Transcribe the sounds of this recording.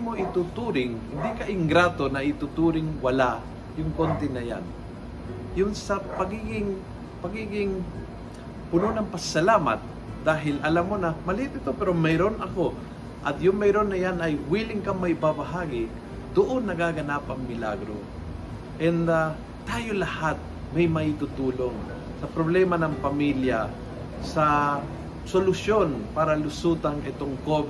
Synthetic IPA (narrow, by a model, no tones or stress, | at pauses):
moʔɪt̪ut̪uːɾɪŋhɪnd̪ikɐʔɪŋɡɾaːt̪onɐʔɪt̪ut̪uːɾɪŋwɐla | jʊŋkont̪ɛnɐja̰n | jʊnsɐpɐɡiːɡɪŋ | pɐɡiːɡɪŋ | pʊnonɐŋpɐɡsɐlaːma̰t̪̚ | d̪aːɦɪlʔɐlamːonɐmɐlɪhɪp̪ɪt̪opɛɾomɛɾonʔɐko̞ | ʔɐt̪jʊŋmɛjɾonːɐjanɐjwiːlɪŋkɐmɐɪbabɐɦaːɡɪ | d̪ʊʔonːɐɡaːɡɐnapɐŋmɪla̰ɡɾo̰ | ʔɛnd̪a | t̪aːjolɐhat̪̚ | mɐjmɐit̪ut̪uːloŋ | sɐpɾoblɛmɐnɐŋpɐmiljɐ | sɐ | solʊsjo̞npaːɾɐlʊsuːt̪ɐŋʔɛt̪oŋkob